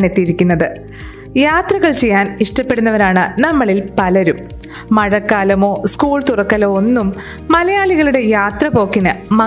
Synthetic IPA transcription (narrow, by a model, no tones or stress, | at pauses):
ne̞t̪ːijiɾikʲːunːɐðɨ | jaːt̪rɐɣɐɭt͡ɕe̞jːaːniʂʈɐpːe̞ɽunːɐʋɐɾaːɳɨnɐmːɐɭilpɐlɐɾumː | ɐɻɐkːaːlɐmo̞ːskuːɭt̪urɐkːɐloːonːumː | ɐlɐjaːɭiɣɐɭuɽe̞jaːt̪rɐpo̞ːkːinɨmɐ